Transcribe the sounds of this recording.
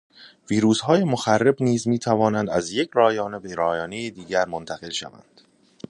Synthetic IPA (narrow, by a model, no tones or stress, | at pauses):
viːɾuːshɒːje̞moxærːe̞bniːzmiːt̪ʰævɒːnænd̪æzjecʰɾɒːjɒːne̞beɾɒːjɒːne̞jed̪iːɟæɾmont̪ʰæɣe̞lʃæ̰væ̰nd̪̥